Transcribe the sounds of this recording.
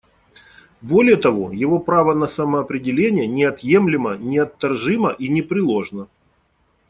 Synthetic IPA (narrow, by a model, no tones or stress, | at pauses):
bo̞lʲɪjət̪ɐvo̞̰jɪvo̞pɾavənɐsɐməːpɾʲɪdʲɪlʲenʲɪjənʲɪɐt̪je̞mlʲɪmənʲɪɐt̪ːɐrʐɨməʔinʲɪpɾʲɪlˠo̞ʐnə